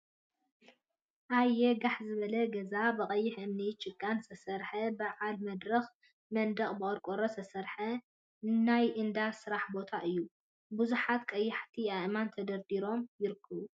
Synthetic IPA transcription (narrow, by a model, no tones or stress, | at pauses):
ʔajːɛɡaħzɨβɐlɐɡɐzabɨχʼɐjːɪħʔɨmnit͡ʃʼɨkʼːansɐsɐɾħɐbɨʕalmɐd̪ɾɐx | mɐnd̪ɐχʼbɨʔʼɐɾkʼoɾosɐsɐɾħɐ | najʔɨnd̪asɨɾaħbo̞t̪ʰaʔɨjːu | buzuħat̪kʼɐjːɪħt̪ʰiaʔmant̪ʰɐd̪ɐɾd̪iɾo̞mjɪɾɨkʰːɐβu